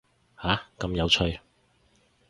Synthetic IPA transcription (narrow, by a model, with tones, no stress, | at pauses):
haː˨˥kɐ˧mjɐ˨˧wt͡ʃʰɵ˧ɥ